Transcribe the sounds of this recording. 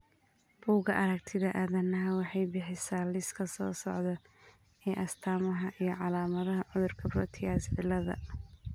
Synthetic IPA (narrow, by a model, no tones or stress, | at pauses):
b̥uːɣɐʔɐɾɐk̚t̪ʰɪðɐʔaːðɐnɐɦɐwɑħɑjbɪħɪsaːlɪskʰɐsɔ̰ːsɔʕðɐ | ɛːʔɐst̪ʰaːmɐɦɐʔijɞʕɑlaːmɐðɐɦɐʕʊðʊrkʰɐbrɔt̪ʰɪɣaːsʕɪlːɐðɐ̰